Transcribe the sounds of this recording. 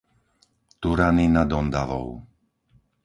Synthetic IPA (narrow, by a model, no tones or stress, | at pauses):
t̪uɾaninad̪ɔnd̪aʋɔ̰ʊ